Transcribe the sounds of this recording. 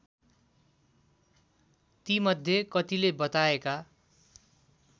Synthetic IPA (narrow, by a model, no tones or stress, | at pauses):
t̪imʌd̪ʱjekʌt̪ilebʌt̪aeka